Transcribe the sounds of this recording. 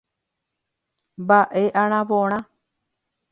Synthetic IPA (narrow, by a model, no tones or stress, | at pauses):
baʔeʔãɳ̃ãʋoɳ̃ã